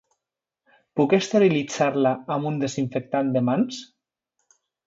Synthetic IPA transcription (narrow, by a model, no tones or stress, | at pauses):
pukest̪eɾilid͡zaɾlaːmund̪eziɱfək̚t̪and̪əmans